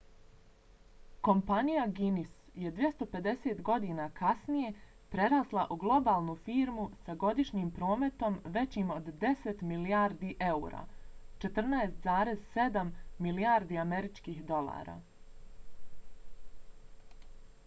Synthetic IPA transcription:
ko̞mpanijaɡinis | je̞d̪ʋje̞st̪o̞pe̞d̪e̞seːt̪ɡo̞d̪inakʰasnije̞ | pɾe̞ɾaːslˠaʔuɡlˠo̞baːlˠnufiːɾmusaɡo̞d̪iʃɲiːmpɾo̞ːme̞t̪o̞mʋe̞t͡ɕiːmo̞d̪ːe̞set̪milijaːɾd̪iʔe̞uːɾa̰ːt͡ʃe̞t̪r̩naest̪zaːɾe̞zse̞d̪amːilijaːɾd̪iame̞ɾit͡ʃkiːhd̪o̞lˠa̰ːɾa̰

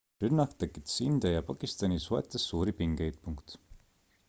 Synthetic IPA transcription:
rynːɑkt̪ekːit̪sind̪̥ejɑpɑkist̪ɑnisuḛt̪ːˑɑsːuːɾipiŋɡ̥ejd̪̥̚puŋkt̪

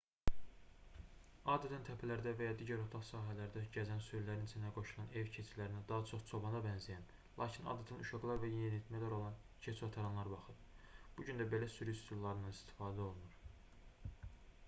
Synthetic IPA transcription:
ɑd̪ɛt̪ʰænt̪ʰæpʰælæɾd̪ævæjɑd̪iːɟæɾot̪ʰɑχsɑːɦælæɾd̪æɟæzænsø̞jlæɾinit͡ʃ̪ʰinæɡo̞ʃulˠɑne̞vcʰet͡ʃʰilæɾinæd̪ɑɦɑt͡ʃʰo̞χt͡ʃʰo̞bɑnɑbænzijæn | lˠɑ̰ːcʰinɑ̰d̪ɛt̪ʰænuʃɑɡlˠɑɾvæjejenit̪ʰmælæɾo̞lˠɑn | cʰet͡ʃʰot̪ʰɑɾɑnlˠɑɾbɑχɯɾb̥uɟynd̪æbe̞læsyɾist̪ʰulˠlːˠɑɾɯnɑnist̪ʰi̥fɑːd̪æo̞lˠunuɾ

